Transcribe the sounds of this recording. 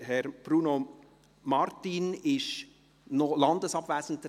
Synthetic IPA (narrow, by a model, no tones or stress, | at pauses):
hɛɾb̥ɾuːno | mɑɾt̪inɪʃ | nolɑnd̪əsɑbvæːsən̩tt